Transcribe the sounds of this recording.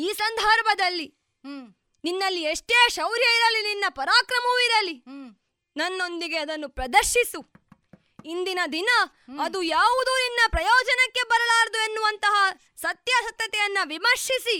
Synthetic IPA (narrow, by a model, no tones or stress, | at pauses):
iːsɐnd̪ʱɐɾbɐd̪ɐlːi | ninːɐlːieʂʈeːʃɐwɾjɐiɾɐlːininːɐpɐɾaːkɾɐmuʋiɾɐlːi | nɐnːo̞nd̪iɡe̞ɐd̪ɐnːupɾɐd̪ɐɾʃisu | ind̪inɐd̪inɐː | d̪ujaːʋud̪uːninːɐpɾɐjɔːd͡ʒɐnɐkːe̞bɐɾɐlaːɾɐd̪ue̞nːuʋɐnt̪ɐɦɐ | sɐt̪jɐsɐt̪jɐt̪ɛjɐnːɐʋimɐɾʂisi